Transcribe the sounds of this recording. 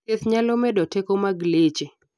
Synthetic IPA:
eθɲalomɛdɔtekomaɡlet͡ʃe

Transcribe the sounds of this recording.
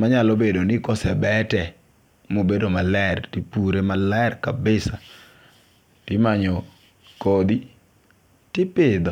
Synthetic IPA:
maɲalobedonɪkɔsɛbɛtɛ | mobedomalɛrtipuɾemalɛrkabɪsa | tɪmaɲɔ | kod̪i | tɪpɪd̪ɔ

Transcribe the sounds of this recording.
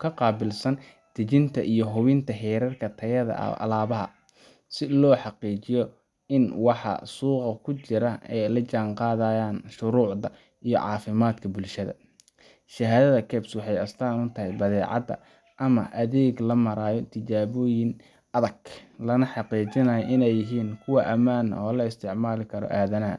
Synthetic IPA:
kʰɐqɑːbɪlsɐn | t̪ʰɐt͡ʃɪnt̪ʰɐʔijɞɦʊβɪnt̪ʰɐɦɛːɾɐrkʰɐt̪ʰɐjɐðɐ̰ɐ̰laːβɐɦɐ̰ | sɪlɔːħɑqiːt͡ʃɪjɔ | ɪnwɑħɑ̰suːqɑkʰʊt͡ʃɪɾɐɛjlɐt͡ʃaːŋqɑːðaːjaːnʃʊɾuːʕðɐ | ijɔ̰ʕɑ̰ːfɪmaːd̪kʰɐbʊlʃɐðɐ̰ | ʃɐɦaːðɐðɐkʰɛːbswɑħɑjɐst̪ʰaːnʊt̪ʰɐɦɛjbɐðɛːʕɑ̰d̪ɐ̰ | ʔɐmɐ̰ʔɐðɛːɡlɐmɐɾaːjɔt̪ʰɪt͡ʃaːβɔːjɪn | ɐðɐɡ̥lɐnɐħɑqiːt͡ʃɪnɐjɔʔɪnɛjːɪɦiːnkʰʊwɑʔɐmaːn̰ɔːlɐɪst̪ʰɪʕmaːlɪkʰɐɾɔ̰ʔaːðɐnɐɦɐ̰

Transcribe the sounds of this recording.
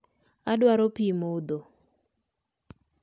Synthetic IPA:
aɗwaɾopimod̪o

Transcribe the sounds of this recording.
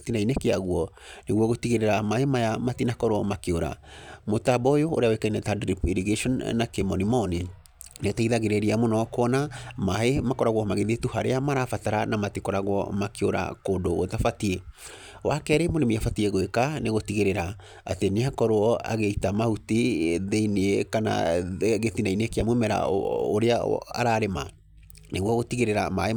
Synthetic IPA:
tinainekeaɣuɔ | neɣwɔɣotiɣeɾeɾamahemajamatinakɔɾoɔmakeoɾa̰motabɔjoo̰ɾeawekainɛtadɾipiɾiɡeʃɔnnakemɔnimɔni | neotaiðaɣeɾeɾiamonɔkoɔnamaɦemakɔɾaɣwɔmaɣeðetuhaɾeamaɾafataɾanamatikɔɾaɣwɔ̰makeoɾa̰koːndoɣotafatie | wakɛɾɛimonemiafatieɣoekaneɣotiɣeɾeɾa | ateneakɔɾoɔa̰ɣeitamahutiðeineekana̰ɣeθinaineekeamwemɛɾa̰oɾeaa̰ɾaːɾema̰ | neɣwɔɣotiɣeɾeɾamae

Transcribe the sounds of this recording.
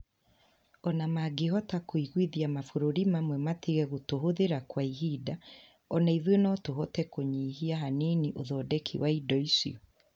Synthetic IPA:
ɔnamaɡeɦɔtakoiɣwiðiamafoɾoɾimamwɛmatiɣɛɣotoɦoðeɾakwaiɦida | ɔnaiðwenɔtoɦɔtɛkoɲiːɦiaɦaniniʔoðɔdɛkʰḭwʔaidɔisḭo

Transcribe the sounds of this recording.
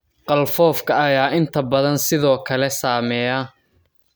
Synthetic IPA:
qɑlfɔːfkʰɐɐjaːʔɪnt̪ʰɐbɐðɐnsɪðɔːkʰɐlɛsaːmɛːjɐ

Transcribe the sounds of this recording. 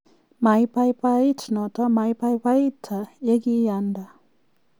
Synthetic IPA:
majpajpaitʰnɔt̪amajpajpajt̪ʰajeɡijanda

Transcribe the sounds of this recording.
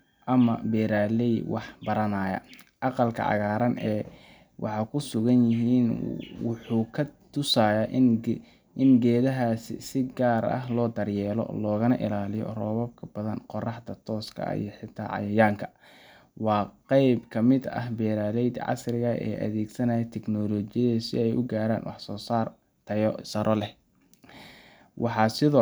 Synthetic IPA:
ʔɐmɐbɛːɾaːlɛj̪wɑħbɐɾɐnaːjɐ̰ʔɑqɑlkʰɐ̰ʕɑ̰ɣaːɾɐnɛː | wʔɑħɑːkʰʊsʊɣɐnjɪɦiːnwʊħuːkʰɐt̪ʰʊsaːjaːʔ | ɪnɡɛːðɐɦassɪɡaːɾɐ̰ɦlɔːd̪ɐrjɛːlɔ̰lɔːɣɐnɐʔɪ̰laːlɪjɔ̰rɔːβɐb̚kʰɐb̥ɐðɐnqɔrɑħt̪ɐt̪ʰɔːskʰɐ̰ḭjɞħɪt̪ʰːa̰ːʕɑ̰jɐjaːŋkʰɐ̥ | wɑːqɑjbkʰɐmɪd̪ɐ̰ɦbɛːɾaːlɛjd̪ʕɑ̰srɪɣɐɛ̰ːʔɐ̰ðɛːɡsɐnɐjɛt̪ʰɛknɔːlɔt͡ʃɪjɐðɐsɪ̰ɛjʔʊ̰ɡaːɾa̰ːnwɑ̰ħsɔːsaːr | t̪ʰɐjsɐɾʔɔlɛh | wɑħɑsɪðɔː

